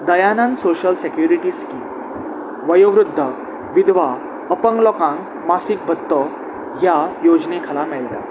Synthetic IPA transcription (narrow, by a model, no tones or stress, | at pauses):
d̪əjanãnsoɕəlsekjuɾiʈiskim | ʋəjoʋɾud̪ʱːə | ʋid̪ʋa | əpəŋɡlɔkãŋ | masik̚bʱət̪ːɔ | jajod͡ʑnekʰalamɛɭt̪a̰